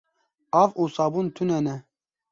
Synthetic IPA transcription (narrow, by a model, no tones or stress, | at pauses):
aːvuːsaːbunt̪ʰunɛnɛ